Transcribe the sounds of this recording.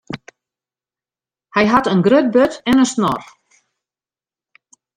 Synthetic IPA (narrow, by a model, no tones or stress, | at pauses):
hɛjɦatənɡrøt̚bøtɛnəsnɔ̰r